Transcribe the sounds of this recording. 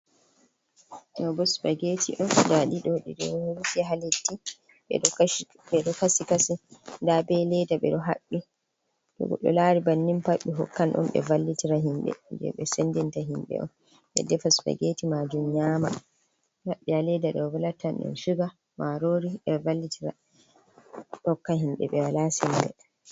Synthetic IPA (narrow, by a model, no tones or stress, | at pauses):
ɗɔbɔsbaɡetʰḭʔɔndaɗiɗɔɗiɗɔɾtiɦaletːi | ɓɛ̰ɗɔ | ɓɛɗɔkasikasindabɛlɛdaɓɛ̰ɗɔɦaɓːi | ɗɔ̰ɡɔ̰ɗɔ̰laːɾibanːimpaɓːiɦɔ̰kːanʔṵmɓɛ̰valːitiɾaɦimɓɛ̰d͡ʒɛ̰ɓɛsendintaɦimɓɛ̰ʔɔ̰n | ɓɛ̰dɛfasɓɛ̰ɡeːtimad͡ʒumɲaːma̰ | haɓːihalɛdaɗɔwwalatːanɗɛ̰nʃuɡa | maɾoːɾiɓɛvalːitʰiɾa̰ | ɗɔkːahimɓɛ̰ɓɛwalasɛmbɛ̰